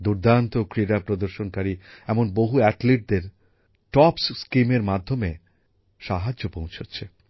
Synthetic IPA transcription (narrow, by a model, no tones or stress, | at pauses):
d̪uɾd̪ant̪okɾiɾapɾod̪oɾʃonkaɾiɛmonboɦuɛʈliʈ̚d̪eɾ | ʈɔpsskimeɾmad̪ʱːome | ʃaɦad͡ʑopõw̃t͡ɕʰotːɕʰe